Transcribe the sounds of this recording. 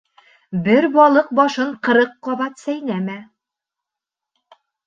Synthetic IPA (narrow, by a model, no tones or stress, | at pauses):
bɘɾbɒlˠɤq̚bɒʃɤɴqɤ̆ɾɤqːɒβɑt̪sæjnæmæ